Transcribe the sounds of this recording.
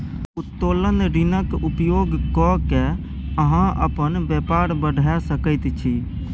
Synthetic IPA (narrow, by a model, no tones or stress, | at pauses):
ut̪ːolənɾinəkupjoɡkɔke | əɦãʔə̰pənbɛpaɾbəɖʱɛsəkəɪt̪t͡ʃʰi